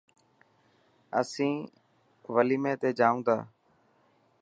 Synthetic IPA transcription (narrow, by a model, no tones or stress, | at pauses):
əsĩː | ʋəliːmẽːt̪eːd͡ʒaːũːd̪a̰ː